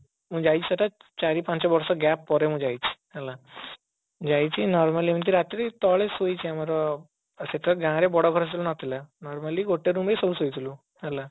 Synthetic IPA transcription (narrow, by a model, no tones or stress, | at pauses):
məːd͡ʑajt͡ɕisaʈat͡ɕaɾipãɲt͡ɕɔbɔɾsɔɡɛpːɔɾemə̃ːd͡ʑajt͡ɕi̥hala | d͡ʑajt͡ɕinɔɾmalimə̃ɳt̪iɾat̪ɾit̪ɔɭesojt͡ɕiamaɾɔ | seʈ̪ʰɾaɡãɾebɔɽɔkʰɔɾst̪lunat̪ilanɔɾmaliːɡoʈːeɾumbesolusojt̪lu | hala